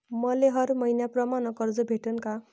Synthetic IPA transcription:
mʌleɦʌɾmʌinjaprʌmanʌkʌrd͡zʌbʱeʈʌnka

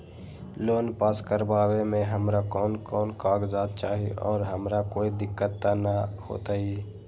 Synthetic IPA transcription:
loːnpaːskəɾbaːwemẽɦəmɾakɔːnkɔːnkaːkd͡ʒaːd̪̚t͡ʃaːɦiɔ̰ːɾɦəmɾakoːid̪ɪkːət̪ːanaho̰ːt̪aiː

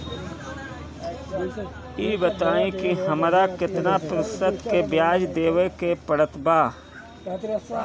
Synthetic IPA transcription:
iːbət̪aːĩkihɐmɾakɪt̪napɾəsət̪kebjaːd͡ʒd̪eːʋekepəɽət̪baː

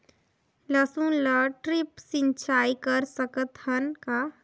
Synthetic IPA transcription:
lɐsũləʈɾɪpsɪ̃nt͡ʃaːikəɾsəkət̪hənka

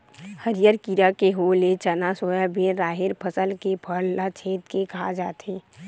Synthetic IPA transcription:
həɾɪjəɾkiɾakeɦoːlet͡ʃənasoːjabeɾaːɦɪɾpʰəsəlkepʰəɽlat͡ʃʰeːt̪kekaad͡ʒaːt̪ɦeː

